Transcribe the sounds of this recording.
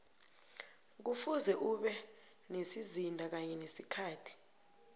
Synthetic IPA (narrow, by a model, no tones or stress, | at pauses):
k̬ufuzɛʔuɓɛ | nesizindʱak̬aɲɛnesikʰaːtʰi̥